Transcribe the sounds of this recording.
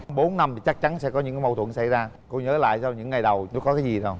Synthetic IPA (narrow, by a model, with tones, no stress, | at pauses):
mɓo˨˦nːa˧mt̪i˨˩t͡ɕa˦˥k̚t͡ɕa˨˦nsɛ̰˧˥kɔ˨˦ɲɨ̰˧˥ŋkaː˨˦mə˨˩wt̪ʰə̰˧˨ŋsa˧˩jzaː˧ | ko˧ɲəː˨˦la̰ː˧˨jsaː˧wɲɨ̰˧˥ŋːa˨˩jɗə˨˩wkɔ˨˦kaː˨˦jzi˨˩ɗə˨˩w